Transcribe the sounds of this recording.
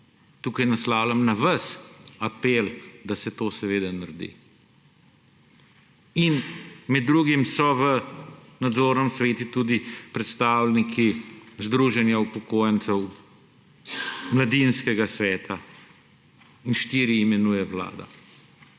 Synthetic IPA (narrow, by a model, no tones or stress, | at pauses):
t̪uːkajnaslaːwlʲamnaʋɐsapeld̪asɛt̪oːsɛʋeːd̪anaɾd̪ḭ | inmɛd̪ːɾuɡimsɔʋənad̪zoːɾnɛmsʋeːt̪ut̪uːd̪ipɾɛt̪st̪aːwlnikʰizd̪ɾuːʒɛnjaupɔkoːjɛnt̪sɛw | mlad̪inskɛɡasʋɛːt̪ʰa | inʃt̪iːɾiːmɛnuːjɛʋla̰ːd̪a̰